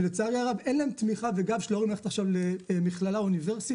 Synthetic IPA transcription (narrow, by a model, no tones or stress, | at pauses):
let͡saʁjaʁavenlaemt̪miχaveɡavʃloʁimleχetaχʃavlemiχlalauniveʁsi